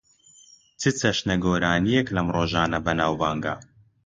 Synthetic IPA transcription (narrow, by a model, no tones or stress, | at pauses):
t͡sʰɨt͡sɐʃnɐɡoːɾaːnijeklɐmroːʒaːnɐbɐnaːwbaːŋɡa̰